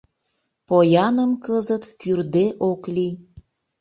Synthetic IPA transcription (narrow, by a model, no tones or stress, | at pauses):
pojɑnəmkəzət̪kyrd̪eʔokli